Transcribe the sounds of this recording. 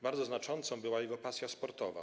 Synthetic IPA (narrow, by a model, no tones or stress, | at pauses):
baɾd̪ɔznat͡ʂɔnt̪sɔ̃w̃bɘwajɛɡɔpasʲjaspɔɾt̪ɔva̰